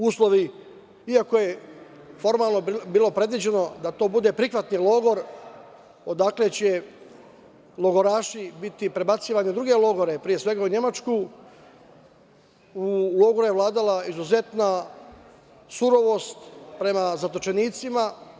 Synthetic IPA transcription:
uːslˠo̞ʋi | iako̞je̞ | fo̞ɾmaːlˠnobiːlˠo̞pɾe̞d̪ʋid͡ʑe̞no̞d̪at̪o̞ːbud̪e̞pɾixʋat̪nilo̞ɡo̞ɾ | o̞d̪akle̞t͡ɕe | lˠo̞ɡo̞ɾaːʃibit̪ipɾe̞bat̪siːʋaɲid̪ɾuɡe̞lo̞ɡo̞ɾe̞pɾije̞sʋe̞ɡauɲe̞mat͡ʃku | ulˠo̞ɡoɾjeʋlˠaːd̪alˠaizuze̞t̪na | suɾo̞ʋo̞ːst̪pɾe̞mazat̪o̞t͡ʃe̞niːt̪sima

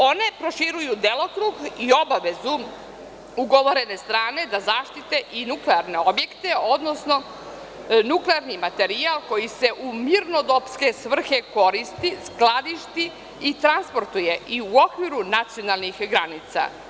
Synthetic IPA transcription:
o̞ne̞pɾo̞ʃiɾujud̪elo̞kɾuːɡio̞baʋe̞zu | uɡo̞ʋoɾe̞ne̞st̪ɾaːne̞d̪azaːʃt̪it̪eʔinukleaɾne̞o̞bje̞kt̪e̞o̞d̪no̞sno̞ | nukleaɾnimat̪e̞ɾialko̞jise̞ʔumiɾno̞d̪opske̞sʋr̩xe̞ko̞ɾist̪isklad̪iʃt̪i | it̪ɾanspoɾt̪ujeiuo̞kʋiɾunat̪sio̞nalˠnixɡɾanit̪sa̰

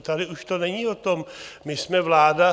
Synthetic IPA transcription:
t̪adɪuʃt̪o̞nɛɲiːot̪o̞mmɪsmɛvlaːda

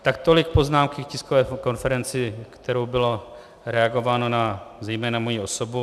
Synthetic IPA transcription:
t̪akt̪olɪk̚po̞znaːmkɪkcɪskovɛːko̞nfɛɾɛnt͡sɪkt̪ɛɾowbɪlo | ɾɛaɡo̞vaːnonazɛjmɛːnamojio̞sobu

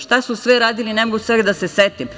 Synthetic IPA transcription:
ʃt̪asusʋɛɾaːd̪ilinemoɡuseɡd̪aseset̪im

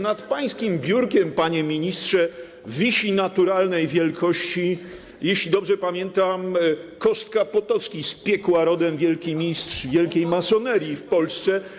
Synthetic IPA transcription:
nat̪paj̃skʲimbʲjuɾkʲɛmpaɲɛmʲiɲistʂɛ | vʲiɕinat̪uɾalnɛjvʲjɛlkʰɔɕt͡ɕi | jeɕlʲid̪ɔbʐɛpamʲjɛnt̪amkɔst̪̚kapɔt̪ɔt̪skʲispʲjɛkwaɾɔd̪ɛmvʲjɛlkʲimʲistʂvʲjɛlkʲejmasɔnɛɾʲjifpɔlst̪sɛ

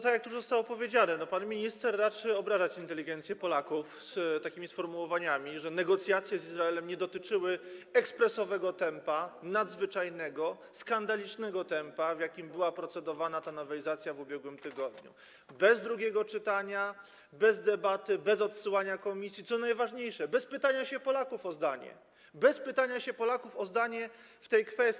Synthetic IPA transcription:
t̪akjak̚t̪uʐzɔst̪awɔpɔvʲjed͡ʑanɛnɔpanmʲiɲist̪ɛɾːat͡ʂɘɔbɾaʐat͡ɕint̪ɛlʲiɡɛnt̪sjɛpɔlakufst̪akʲimʲisfɔɾmuwɔvaɲamʲiʐɛnɛɡɔt̪sʲjat̪sʲjɛzizɾaɛlɛmɲɛd̪ɔt̪ɘt͡ʂɘwɘɛkspɾɛsɔvɛɡɔt̪ɛmpanad̪zvɘt͡ʂajnɛɡɔ | skand̪alʲit͡ʂnɛɡɔt̪ɛmpavʲjakʲimbɘwapɾɔt̪sɛd̪ɔvanat̪anɔvɛizat̪sʲjavubʲjɛɡwɘmt̪ɘɡɔd̪ɲṵ | bɛzd̪ɾuɡʲɛɡɔt͡ʂɘt̪aɲa | bɛzd̪ɛbat̪ɘbɛzɔt̪sɘwaɲakɔmʲisʲjit̪sɔnajvaʐɲejʂɛbɛspɘt̪aɲaɕɛpɔlakufɔzd̪aɲɛ̰ | bɛspɘt̪aɲaɕɛpɔlakufɔzd̪aɲɛ | ft̪ɛjkfɛst̪

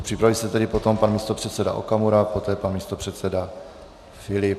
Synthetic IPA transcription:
pr̥ɪpɾavilsɛt̪ɛdɪpo̞t̪o̞mpanmiːst̪opr̥ɛt̪sɛda̰ʔo̰kamuɾapo̞t̪ɛːpanmiːst̪o̞pr̝̥ɛt̪sɛda | fɪlɪp

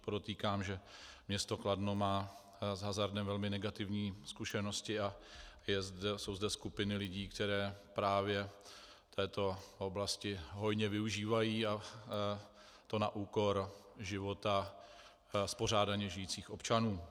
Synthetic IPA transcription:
podot̪iːkaːmʒɛmɲɛst̪o̞kladno̞maː | zɦazaɾdɛmvɛlmɪnɛɡat̪ɪvɲiːskuʃɛno̞scɪajɛzdɛso̞wzdɛskupɪnɪlɪɟiːkt̪ɛɾɛːpɾaːvjɛ | t̪ʰɛːt̪o̞o̞blascɪɦo̞jɲɛvɪuʒiːvajiːa | t̪o̞na̰ʔuːko̞ɾʒɪvo̞t̪a | spo̞ɾ̝aːdaɲɛʒɪjiːt͡siːxʔo̞pt͡ʃanuː

